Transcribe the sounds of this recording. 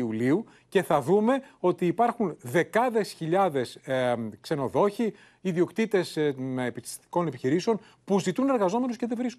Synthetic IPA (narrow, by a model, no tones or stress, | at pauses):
uliu | ce̞θɐðume̞o̞t̪iːpɐɾxunðe̞kɐðe̞sçiʎɐðe̞skse̞no̞ðo̞çi | iðio̞kt̪it̪e̞sepist̪i̥ko̞nepiçiɾiseo̞n | puzit̪une̞ɾɣɐzo̞me̞nusce̞ðevɾisk